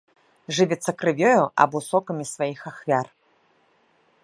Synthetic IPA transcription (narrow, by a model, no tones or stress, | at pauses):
ʐɨvʲɛt̪sːɐkɾɨvʲjɔjuʔɐ̰busɔkɐmʲisvajixaxvʲar